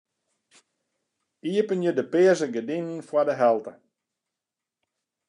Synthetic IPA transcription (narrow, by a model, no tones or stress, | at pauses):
iəpənjədəpɪəzəɡədinənfwɔdəɦɛlˠtə